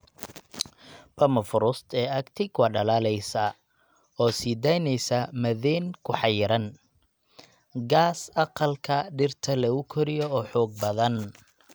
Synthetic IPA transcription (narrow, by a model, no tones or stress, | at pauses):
pʰɐmɐfʊɾʊst̪ʰɛːɐɡt̪ʰɪkʰwɑːɖɐlaːlɛjsɐ | ɔːsiːd̪ɛjnɛjsɐmɐðɛːnkʰʊħɑjɪɾɐn | ɡaːsɑqɑlkʰɐɖɪrt̪ʰɐlɐɣʊkʰɔɾɪjɔɔːħɔːɡ̚bɐðɐn